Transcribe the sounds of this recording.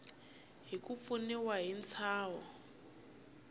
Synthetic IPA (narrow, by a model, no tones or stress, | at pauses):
ɦikup̪funiwaɦint͡sʰaːwɔ